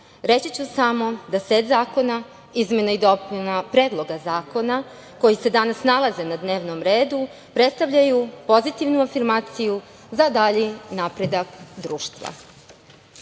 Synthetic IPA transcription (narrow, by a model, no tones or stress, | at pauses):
ɾe̞t͡ɕit͡ɕusamo̞d̪ase̞t̪zaːko̞na | izmenaid̪o̞pnapɾe̞ːd̪lˠo̞ɡazaːko̞na | ko̞jise̞d̪anasnalˠaze̞nad̪ne̞ːʋno̞mɾeːd̪u | pɾe̞t̪st̪aʋʎajupo̞zit̪iʋnuafiɾmaːt̪siju | zad̪aʎinapɾe̞d̪akd̪ɾuːʃt̪ʋa̰